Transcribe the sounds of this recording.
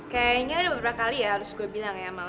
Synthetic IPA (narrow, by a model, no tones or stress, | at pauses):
kajaiɲaːdabəbɾaakalijaɦaɾʊsɡuabilaŋjamal